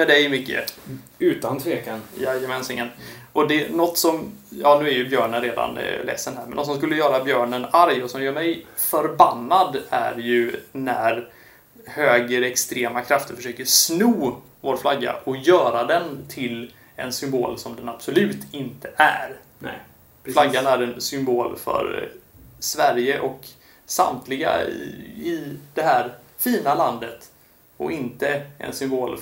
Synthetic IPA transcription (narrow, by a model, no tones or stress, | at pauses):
mɛd̪ɛjmʏkːə̰ʉ̟ːt̪ant̪ʰveːkanjajɛmɛːnsɪŋːənʔɔd̪ɛnɔt̪sɔmjɑːnʉ̟ːæɾjɵbjœːɳənɾeːd̪a̰nlɛ̰ːsəɛnɦæːɾmɛnɔ̰sɔms̬kɵlːəjœːɾabjœːɳənaɾjɔsɔmjœːmɛjfœɾbanːad̪æ̰ɾjɵnæɾ | høːɡəɾɛkst̪ɾeːmakʰɾaft̪əɾfœʂøːkəɾsnuː | voːɾflaɡːa̰ʔɔjœːɾad̪ɛnt̪ʰɪl | ɛ̰nsʏmbo̰ːlsɔmd̪ɛnab̥sɔlʉ̟ːt̪ɪnt̪əʔæɾ | flaɡːanæɾɛnsʏmboːlfœ̰ɾ | svæɾjəʔɔk | sa̰mt̪ʰlɪɡa̰ | ɪd̪̥ɛhæːɾ | fiːnaland̪ət̪ | ɔ̰ɪnt̪əʔɛ̰nsʏmboːl